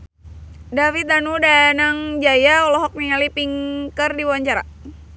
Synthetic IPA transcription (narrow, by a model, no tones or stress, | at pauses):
dafit̪anudanaŋd͡ʒajaɔlɔɦɔk̚niŋalipiŋkərdiwaɲt͡ʃaɾa̰